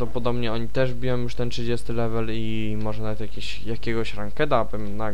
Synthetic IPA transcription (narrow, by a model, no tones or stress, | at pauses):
d̪ɔpɔd̪ɔbɲɛɔɲit̪ɛʐbʲijɔ̃w̃juʂt̪ɛntʂɘd͡ʑest̪ɘlɛvɛli | mɔʐɛnavɛt̪jakʲeɕ | jakʲeɡɔɕɾaŋkɛt̪̬abɘmna